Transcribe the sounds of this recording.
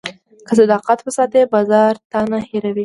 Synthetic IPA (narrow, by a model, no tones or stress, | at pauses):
kəsad̪ɑqat̪pəsɑt̪ebɑzɑɾt̪ɑnaheɾawi